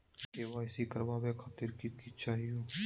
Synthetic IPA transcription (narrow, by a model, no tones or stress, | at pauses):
keːʋaːɪsikɐɾbaːbekʰaːt̪ɪɾkikit͡ʃaːɦijuː